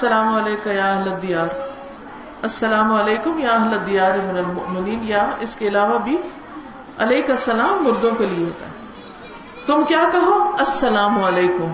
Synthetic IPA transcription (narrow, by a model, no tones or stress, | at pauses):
ɐsɐlaːmɐleːkajaːɐɦlɐd̪ijaːɾ | ɐsːɐlaːmɐleːkʊmjaːɐɦlɐd̪ijaːɾmɪnɐlmʊ̰ʔmɪniːnjaɪskeɪlaːʋabʱi | ɐleːkasɐlaːmːʊɾd̪õkelieɦo̰ːt̪a̰ɦɛː | t̪ʊmkjaːkɐɦoːɐsːɐlaːmɐleːkʊm